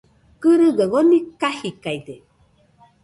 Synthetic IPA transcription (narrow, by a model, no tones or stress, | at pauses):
kɨɾɨɡaɣonikahikajde